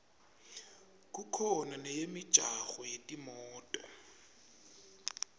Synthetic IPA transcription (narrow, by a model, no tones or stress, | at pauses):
kʼukʰɔnanɛjemɪ̥ʒ̥ʱʼaɣɔjetʼimɔːtʼɔ